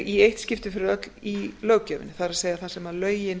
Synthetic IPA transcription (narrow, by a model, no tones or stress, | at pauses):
iejht̪scɪft̪ɪfɪɾɪðœt̪lilœːwcœːvɪ̰nɪθaɾaseːjaθasɛmaðlœːɥjɪn